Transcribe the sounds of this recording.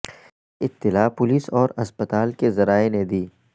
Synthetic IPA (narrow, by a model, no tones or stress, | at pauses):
ɪt̪ːɪlaːpʊliːsɔːɾɐspət̪aːlkezɐɾaːened̪iː